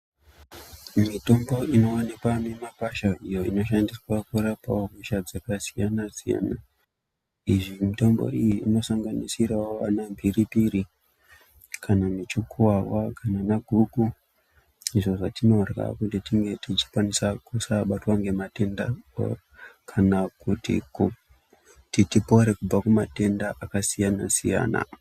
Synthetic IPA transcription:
mito̞mbo̞ino̞onekwanemapaʃaijo̞ino̞ʃandiswakuɾapa̰omuʃad͡zakasijanazija̰na | iʐimito̞mbo̰ijiːno̞saŋɡanisiraoʋanambʱiɾipiɾi | kʰanamit͡ʃukʰuwawakʰananaɡʱuɡʱu | niʐoʐatinorɣa̰kuntitiŋɡe̞tit͡ʃi̥kwanisakusaɓatwaŋɡe̞mate̞nda | kʰanakutḭk | titipo̞ɾe̞kub͡vakumate̞ndaʔakasijanasija̰ːna̰

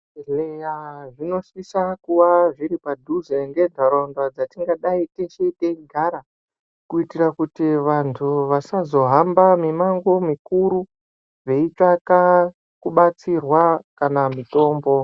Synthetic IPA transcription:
lejaʐino̞sisakuwaʐiɾipadʱuzeŋɡe̞dʱaɾondwad͡zatiŋɡaɗaiteʃeteɡʱaɾa | kuitirakutiʋantʰuʋasazo̞ɦambamimaŋɡomikuɾu | ʐe̞it͡ʂaka | kuɓat͡sirwakanamito̞ːmbo̞

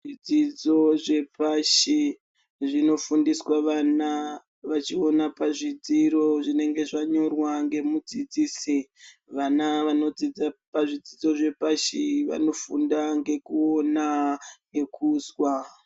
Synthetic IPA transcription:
ʐid͡zid͡zo̞ʐe̞paʃi | ʐino̞fundiswaʋana | ʋat͡ʃio̞napaʐid͡ziɾo̞ʐine̞ŋɡe̞ʐaɲo̞rwaŋɡe̞mud͡zid͡ziːsi | ʋanaʋano̞d͡zid͡zapaʐid͡zid͡zo̞ʐe̞paʃiʋa̰no̞fundaŋɡe̞kuo̞naŋɡe̞kʰuːzwa

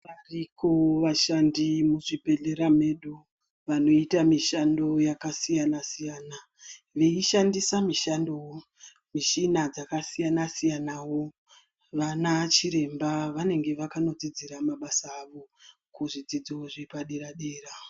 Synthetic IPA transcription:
ʋarikoʋaʃandimuʐibe̞ɮeɾame̞ɗo | ʋano̞itamiʃando̞jakasijanasijaːna | ʋe̞iʃandisamiʃando | miʃinad͡zakasijanasijanawo̞ | ʋanat͡ʃiɾe̞mbaʋane̞ŋɡe̞ʋakano̞d͡zid͡ziɾamaɓasaːʋo̞ | kuʐid͡zid͡ziwoʐipaɗeɾaɗeːra

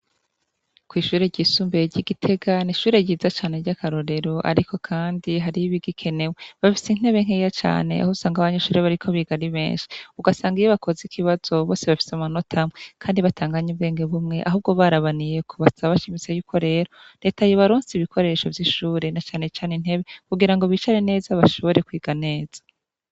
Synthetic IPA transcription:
kwiːʃuːɾe̞ɾɟisuːmbeɟiɡitʰe̞ɡaniʃuːɾe̞ɟiːzat͡ʃaːne̞ɟakʰaɾo̞ɾe̞ɾo̞ʔa̰ɾiko̞kʰaːndiɦaɾiiβiɡikʰe̞ne̞weβafi̥sen̥eβeŋ̥ejat͡ʃa̰ːne̞̰ʔa̰housaːŋɡaβaɲeʃuːɾeβaɾikʰo̞βiɡaɾiβe̞̰ːnʃi̥uɡasaːŋɡijeβako̞zikiβaz̥o̞βo̞ːse̞βafi̥samano̞tʰamŋekʰaːndiβatʰaːŋɡaɲuβɡe̞ːŋɡe̞βumŋe̞ʔaɦuːb̚ɡo̞βaɾaβanije̞kʰoβasaβaβaʃimit͡se̞juːkʰo̞ɾe̞ːɾode̞ːtajoβaɾuːnsiβikʰo̞ɾe̞ʃo̞vjiʃuːɾe̞nat͡ʃaːne̞t͡ʃaːnin̥e̞βekuɡiɾaŋɡo̞βit͡ʃaɾene̞ːzaβaʃo̞βo̞ɾe̞kwiːɡane̞ːz̥ḁ

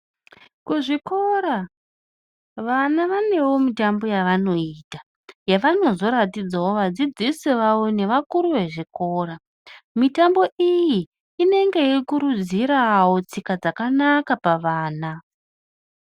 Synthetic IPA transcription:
kuʐiko̞ɾa | ʋanaʋane̞wo̞mitambo̞jaʋano̞iːta | jaʋano̞zo̞ɾatid͡zawo̞ʋad͡zid͡zisiʋawo̞ne̞ʋakuɾuʋe̞ʐiko̞ːɾa | mitambo̞ʔijiː | ne̞ŋɡe̞ikuɾud͡ziɾawo̞t͡sikad͡zakanakapaʋaːna

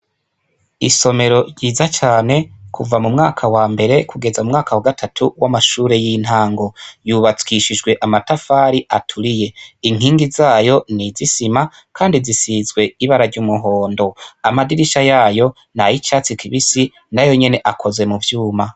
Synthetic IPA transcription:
iso̞me̞ɾo̞ɟiːzat͡ʃaːne̞kʰuvamumŋaːkʰawaːmbe̞ɾe̞kʰuɡe̞zaumŋaːkʰawaɡatʰatʰuwamaʃuːɾe̞jin̥haːŋɡo̞juːβat͡skiʃid͡ʒɡwe̞ʔamatafaːɾiʔatʰuɾije̞iŋ̥hiːŋɡizaːjo̞nizisima | kʰaːndizisizɡwe̞iβaɾaɾɟuːmuɦo̞ːndo̞amadiɾiʃajaːjo̞ | najit͡ʃaːt͡sikʰiβisi | najo̞ɲe̞ne̞ʔakʰo̞ze̞muvjuːma

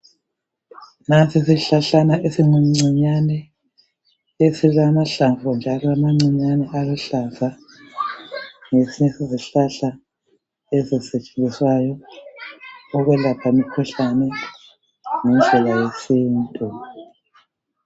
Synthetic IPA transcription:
nant͡sʰisiɬaɬanaʔesiŋuŋ͡ǀiɲanɛ | esilamaɬaɱvʱɔnd͡ʒʱalɔamaŋ͡ǀiɲanɛʔaɣɛɬaɱva | ŋesiɲɛsiziɬaɬa | eziset͡ʃʼe̥nd͡zʱiswajɔ | ɣwɛlapʰamikʰɔɬanɛ | ŋɛnd͡ɮʱɛlajesiːntʼu

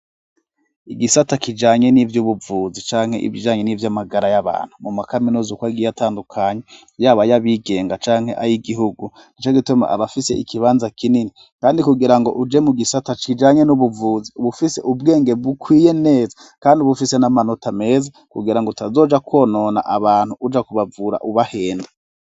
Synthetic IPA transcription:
iɡisatakid͡ʒaːɲe̞nivjuβuvuːzit͡ʃaːŋhe̞̰ʔḭvid͡ʒaːɲenivjamaɡaɾajaβa̰ːn̥humumakaminuzukwaɡijataːndukʰaːɲe | jaːβajaβiɡe̞ːŋɡat͡ʃaːŋ̥he̞ʔaɾiɡiɦuɡu | nit͡ʃoɡituma̰ʔa̰βafise̞̰ʔikʰiβaːnzakinini | kaːndikuɡiɾaŋɡo̞̰ʔud͡ʒe̞muɡisatat͡ʃid͡ʒaɲenuβuvuːziuβufise̞̰ʔubɡe̞ːŋɡe̞bukwiːje̞ne̞ːza | kaːndiuβufisenamano̞tame̞ːza | kuɡiɾaŋɡotazo̞ːd͡ʒakʰwo̞ːno̞ːna̰ʔaβaːnhuud͡ʒakuβavuːɾa̰ʔuβahe̞ːnda

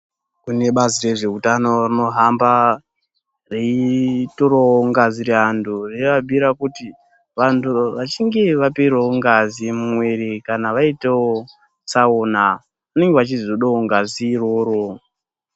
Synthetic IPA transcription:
kune̞ɓazire̞ʐe̞utanorino̞ɦamba | reitoɾooŋɡazireandʰureʋabʱiɾakuti | ʋantʰuʋat͡ʃiŋɡe̞ʋapiɾooŋɡazimumwe̞ɾekanaʋaiteo | saona | une̞ŋɡewat͡ʃizoɗooŋɡaziroɾo

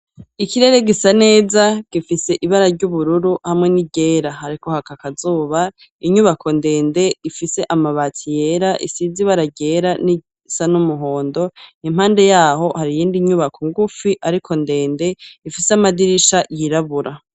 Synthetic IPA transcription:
ikiɾe̞ɾe̞ɡisane̞ːzaɡ̥ifise̞ʔiβaɾaɾɟuβuɾuɾuhamŋe̞niɟe̞ːɾaɦaɾiko̞hakakazuːβa | iɲuβakʰo̞nde̞ːnde̞ifise̞ʔamaβaːtʰije̞ɾaʔḭsiziβaɾaɟe̞ɾaniɟi | sanumuɦo̞ːndo̞im̥haːnde̞jaːɦo̞haɾijiːndiɲuβakʰoŋɡufiʔaɾikʰo̞nde̞ːnde̞ifiseamadiɾiʃajiɾaβuɾa

